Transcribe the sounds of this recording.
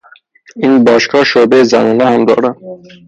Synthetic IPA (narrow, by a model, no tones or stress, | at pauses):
inbɒːʃkʰɒːʃoːbezæ̰nɒːnæhæmd̪ɒ̰ːɾæn